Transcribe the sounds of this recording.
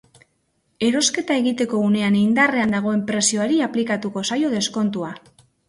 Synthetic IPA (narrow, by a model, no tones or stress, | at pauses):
e̞ɾo̞ske̞t̪ae̞ɣit̪e̞ko̞une̞anind̪are̞and̪aɣ̞o̞e̞mpɾe̞sio̞aɾiaplikat̪uko̞sajo̞ð̞e̞sko̞nt̪ua